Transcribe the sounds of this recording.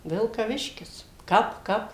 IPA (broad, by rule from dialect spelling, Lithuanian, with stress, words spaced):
ʋʲɪlˠkɐˈʋʲɪʃʲkʲɪs ˈkɐp ˈkɐp